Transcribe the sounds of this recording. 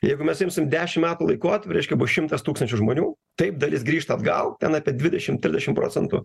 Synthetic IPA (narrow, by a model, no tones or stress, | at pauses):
jɛɪɡʊmʲɛsʲɪmsʲmd̪ʲæːʃʲɪmmʲæːt̪ʊːlˠɐɪkoːt̪ʲpʲɾʲɛɪʃʲkʲɛbʊʃʲɪmt̪ɐst̪uːkst̪ɐnʲt͡ʃʲʊʒmoːnʲuː | t̪ɐɪpd̪ɐlʲɪsɡɾʲiːʃt̪ɐːd̪ɡɐ̰lˠt̪ʲɛnɑːpʲiɛd̪ʲʋʲɪd̪ʲɛʃʲɪmt̪ʲɾʲɪzdʲɛʃʲɪmpɾo̰ːt͡sʲɛnt̪ʊ̰